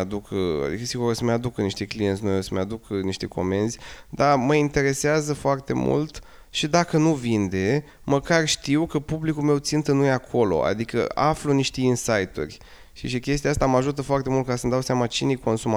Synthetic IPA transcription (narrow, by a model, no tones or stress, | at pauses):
ad̪ukʰəa̰d̪ḭkəsiɡuɾosəmead̪ukəniʃt̪e̞klijent̪snujosəmead̪ukəniʃt̪e̞kʰo̞̰me̞nzʲd̪aməint̪e̞ɾe̞seazəfoart̪e̞mṵlt̪ | ʃid̪akənuvind̪e̞ | məkarʃt̪iwkəpublikulme̞wt̪sint̪ɨnːujeakʰo̞lo̞̰ʔa̰d̪ikə̰afluniʃt̪e̞insajt̪urʲ | ʃiʃikʲe̞st̪ijaast̪amaʒut̪əfoart̪e̞mult̪̚kasəmd̪awseamat͡ʃine̞jko̞nsuma